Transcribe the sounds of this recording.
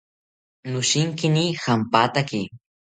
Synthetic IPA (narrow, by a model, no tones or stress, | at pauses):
nʊʃɪŋkɪnixampat̪akɪ